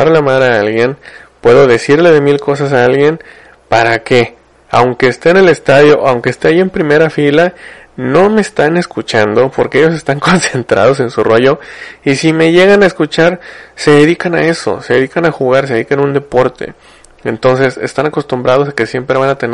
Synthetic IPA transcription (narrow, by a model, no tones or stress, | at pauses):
aɾolamaðɾeaalɣje̞npwe̞ðo̞ðe̞siɾle̞ðe̞milko̞sas̬aalɣje̞n | paɾake̞ | awŋke̞ːst̪e̞ːne̞le̞st̪aðjo̞ʔawŋke̞ːst̪e̞ajie̞mpɾime̞ɾafila | no̞me̞ːst̪ane̞skut͡ʃand̪o̞poɾkeeʝo̞s̬e̞st̪aŋko̞nse̞nt̪ɾa̰ð̞o̞s̬e̞nsuroʝo̞isime̞ʝe̞ɣanaeskut͡ʃaɾse̞ðe̞ðikana̰e̞so̞̰seðe̞ðikanaxuɣaɾs̬eikenund̪e̞po̞ɾt̪ḛ | e̞nt̪o̞ns̬e̞se̞̰st̪anako̞st̪umbɾað̞o̞s̬ake̞sje̞mpɾe̞β̞anat̪e̞n